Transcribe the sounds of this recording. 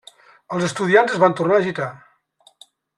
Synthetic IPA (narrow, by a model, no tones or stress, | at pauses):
əlˠzəst̪uðianzəzβant̪urnaːʒit̪a